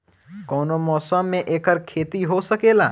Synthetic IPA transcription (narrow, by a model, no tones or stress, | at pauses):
kɔːnomɔːsəmːẽʔeːkəɾkʰeːt̪iɦosəkeːlaː